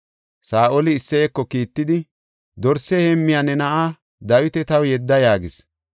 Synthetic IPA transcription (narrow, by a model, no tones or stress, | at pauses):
saːʔɔlɪːsːɛɛkːɔkiːt̪ːɪd̪ɪ | d̪ɔɾsɛhɛmːɪjanːɛnɐʔa | d̪ɐwɪt̪ɛt̪ɐwjɛd̪ːɐjaːɡɪs